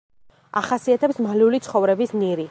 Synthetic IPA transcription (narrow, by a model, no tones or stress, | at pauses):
aχasiat̪ʰɛpsmaliulit̪sχɔvɾɛbisniɾi